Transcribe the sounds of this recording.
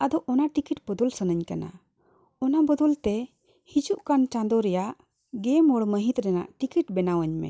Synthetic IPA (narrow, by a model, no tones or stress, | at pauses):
ad̪ɔʔʔɔnaʈikiʈbɔd̪ɔlsənəɲkana̰ | ɔnabɔd̪ɔlt̪ɛ | hid͡ʒuʔkant͡ʃãnd̪ɔɾɛjaʔ | ɡɛmɔɽməɦĩt̪ɾɛna̰ʔʈikiʈ̚bɛnawəɲmɛ̰